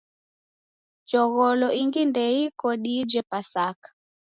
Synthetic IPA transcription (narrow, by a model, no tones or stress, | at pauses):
t͡ʃɔɣɔlɔiŋɡindɛikɔɗid͡ʒɛpasakḁ